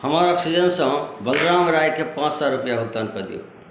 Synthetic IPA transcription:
həmaɾɔksid͡ʒənsə̃bəlɾamɾajkepãt͡ʃsɔɾupjabʱuk̚t̪ankəd̪ḭjṵ

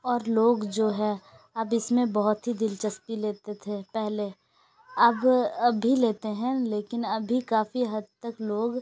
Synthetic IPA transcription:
ɔːɾloːɡd͡ʒoːɦɛ̃ | ɐbɪsmẽbɐɦʊt̪ɦid̪ɪlt͡ʃəspileːt̪et̪ʰepɛɦle | ɐbɐbʱileːt̪eɦɛ̃leːkɪnɐbʱikaːfiɦɐd̪̚t̪əkloːɡ

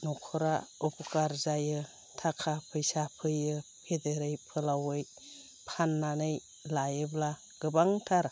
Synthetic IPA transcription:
nɔkʰɔɾaupʰɔkaɾzajɯ | tʰakʰapʰɯjsapʰɯjɯpʰedeɾɯjpʰɯlawɯj | pʰanːanɯj | lajɯbla | ɡ̥ɯbaŋtʰaɾ

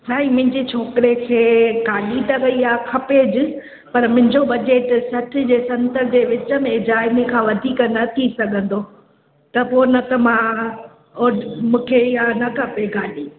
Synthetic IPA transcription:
saːimʊ̃ɦɪ̃ɲd͡ʑit͡ɕʰoːkɪɾekʰeːɡaːɗit̪ɐʋɐiaːkʰɐped͡ʑɪ | pɐɾmʊ̃ɦɪ̃ɲd͡ʑobɐd͡ʑeːʈsɐʈʰɪ̆d͡ʑeːsɐ̃nt̪əɾd͡ʑeːʋɪt͡ɕə̆mẽd͡ʑaːɪmekʰãːʋɐd̪ʱiːknɐt̪ʰisɐɡʱə̃nd̪oː | t̪ɐponɐt̪ɐmã | oːmũːkʰeiɦanɐkʰɐpeɡaːɗi

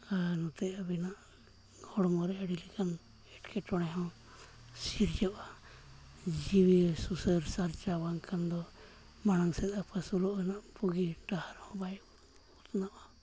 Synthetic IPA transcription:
anɔt̪ɛabinaʔ | ɡɔɽɔmɔɾɛaɽilikʰan | ɛʈkʰɛʈɔɽ̃ɛɦɔ̃ | siɾd͡ʒɔʔa | d͡ʒiwisusəɾsaɾt͡ʃabaŋkʰand̪ɔ | manaŋsɛt̪apʰasulɔʔanaʔpuɡiʈahaɾhɔ̃bajʔ | ut̪naʔa

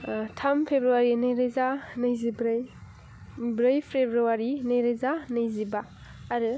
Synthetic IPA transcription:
tʰampʰebɾuwaɾinajɾazanɯjzibɾɯj | bɾɯjpʰɾebɾuwaɾinajɾazanajzibaː | ɾɯ

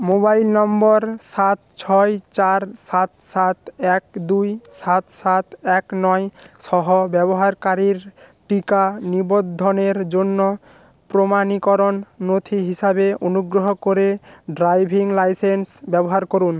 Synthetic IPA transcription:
mobajlnɔmbɔɾʃat̪̚t͡ɕʰɔjt͡ɕaɾsat̪sat̪ɛk̚d̪ujʃat̪sat̪ɛknɔjʃɔɦobɛboɦaɾkaɾiɾʈikanibod̪ʱːoneɾd͡ʑonːo | pɾomanikɔɾonːot̪ʰiɦiʃabeonuɡɾoɦokoɾeɖɾajbʱiŋlajsensbɛboɦaɾkoɾun

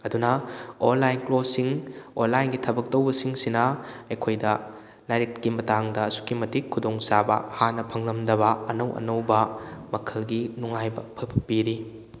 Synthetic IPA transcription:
ɐdunɐonlːajnklosiŋonlːajnɡitʰɐbɐk̚tɐwbɐsiŋsinɐɐjkʰojdɐ | lajɾitkimɐtaŋdɐːsu̥kimɐtikʰːudoŋsabɐ̰hanːɐpʰɐŋlɐmdɐβɐɐnɐwʔɐ̰nɐwbɐmɐkʰɐlɡinuŋajbɐpʰɐpʰɐpiɾi

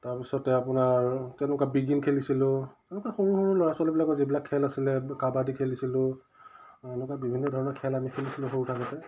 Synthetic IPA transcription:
taɹpisɔtɛapʊnaɹtɛnʊkabiɡinkʰelisilʊ̃ɛnʊkaxoɹuxoɹulojaswalɛbilakɔzibilakʰːɛlasilɛkabadikʰelisilʊ̃ | ɛnʊkabibʱinːɔdʱɔɹɔnɔkʰɛlamikʰelisilʊ̃xoɹutʰakɔtɛ

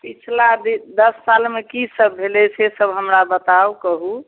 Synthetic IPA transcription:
pit͡ʃʰlad̪id̪əsːalmekisəbːʱelɛt͡ʃʰɛsəbɦəmɾabət̪awkəɦu

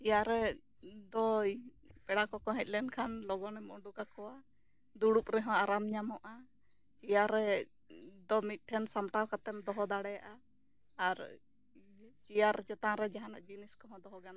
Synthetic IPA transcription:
t͡ʃijaɾɛ | d̪ɔj | pɛɽakɔkɔɦɛ̃c̪̚ˀlɛnkʰanlɔɡɔnɛmɔ̰ɖukakɔwa | d̪uɽup̚ɾɛɦɔ̃aɾamɲamɔʔa | t͡ʃijaɾɛ | d̪ɔmit̪̚ˀʈʰɛnsamʈawkat̪ɛm̚d̪ɔɦɔd̪aɽɛjaʔa | aɾ | t͡ʃijaɾt͡ʃɛt̪ãɾɛd͡ʒaɦana̰ʔd͡ʒiniskɔɦɔ̃d̪ɔɦɔɡana

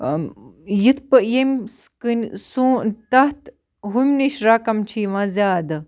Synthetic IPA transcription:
jit̪ʰpɨjemʲskɨnʲsuːt̪ɐht̪ | ɦumʲniʃɾaːkɐmt͡ʃʰiːʋãːzʲaːd̪ɨ

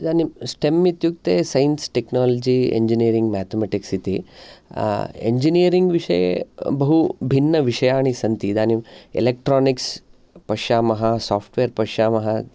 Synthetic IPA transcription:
d̪aːnimsʈemːit̪juk̚t̪eːsɐjnsʈeknaːlɐd͡ʒiḛɲd͡ʒiniːɐɾiŋɡmaːt̪ʰemeːʈiksit̪i | ḛɲd͡ʒinijɾiŋɡʋiʂɐjḛbɐɦubʱinːɐʋiʂɐjaːɳisɐnt̪id̪aːnimḛlek̚ʈɾaːniks | pɐʂaːmɐɦɐsaːpʰʈʋeːɾpɐʂaːmɐɦɐ

